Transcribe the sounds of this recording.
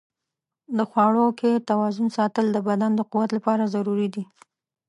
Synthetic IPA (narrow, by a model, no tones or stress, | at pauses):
d̪əxwɑɽoket̪awɑzʊnsɑt̪əld̪əbad̪and̪əquwat̪lapɑɾazaɾuɾid̪i